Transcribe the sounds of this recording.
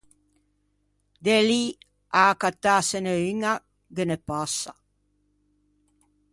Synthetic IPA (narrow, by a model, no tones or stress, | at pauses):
d̪eli | aːkat̪ːaseneyŋa | ɡenepasa